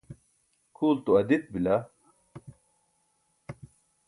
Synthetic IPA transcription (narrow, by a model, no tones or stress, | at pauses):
kʰuːlt̪uɐd̪it̪̚bilɐ